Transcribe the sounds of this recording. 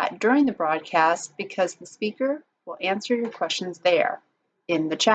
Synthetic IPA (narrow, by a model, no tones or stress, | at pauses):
t̚d̥ʊɹɪ̃ŋðɨbɹɔd̚kʰæst̚b̥ɨkʰʌzðɨspikə˞ | wəlˠæ̃nsə˞jə˞kʰw̥ɛst͡ʃn̩zðə̰˞ | ɪ̃nðɨt͡ʃʰæ